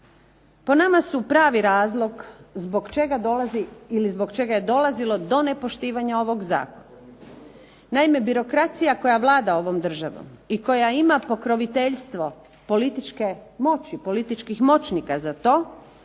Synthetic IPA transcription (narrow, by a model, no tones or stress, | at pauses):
po̞namasupɾaːʋiɾaːzlˠo̞ɡzboɡt͡ʃeɡad̪olaziilizbo̞ɡt͡ʃe̞ɡaje̞d̪o̞lazilo̞d̪o̞ne̞po̞ʃt̪iːʋaɲao̞ʋo̞ɡza̰ːkona | naime̞biɾo̞kɾat̪sijako̞jaʋlˠaːd̪ao̞ʋo̞md̪r̩ʒaʋo̰miko̞jaimapo̞kɾo̞ʋit̪eʎst̪ʋo̞ | po̞lit̪it͡ʃke̞mo̞t͡ɕipo̞lit̪it͡ʃkixmo̞t͡ɕnikazat̪o̞ː